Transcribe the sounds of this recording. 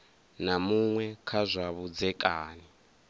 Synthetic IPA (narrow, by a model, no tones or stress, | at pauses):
namuŋwɛkʰazʷaβud͡zɛkʼaːni